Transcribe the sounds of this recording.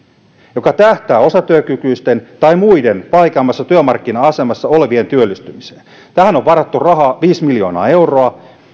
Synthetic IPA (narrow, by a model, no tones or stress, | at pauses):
jo̞kɑt̪æht̪æːosɑt̪yøkykyist̪ent̪ɑimuidenpɑijkɑmːɑsːɑt̪yømɑrkːinɑɑsemɑsːɑo̞leʋient̪yølːist̪ymiseːn | t̪æhæno̞ʋʋɑrɑt̪ːurɑɦɑːʋiːsmiljoːnɑ̰ːe̞wro̞ɑ